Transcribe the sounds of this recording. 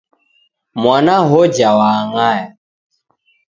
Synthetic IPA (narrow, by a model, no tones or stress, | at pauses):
mwanaɦɔd͡ʒawaŋaja